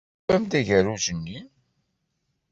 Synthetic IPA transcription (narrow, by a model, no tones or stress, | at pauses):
æmd̪æʝəɾuʒənːi